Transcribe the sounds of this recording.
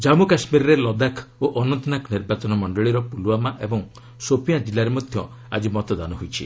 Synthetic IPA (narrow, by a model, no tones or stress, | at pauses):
d͡ʒamukasmiɾɔɾelɔd̪akʰoʔɔnɔnt̪ɔnakniɾbat͡ʃɔnɔmɔɳɖɔɭiɾɔpuluamaʔebɔŋ | sopijãd͡ʒilaɾemod̪ʱjɔ | a̰d͡ʒimɔt̪ɔd̪anɔɦojt͡ʃʰḭ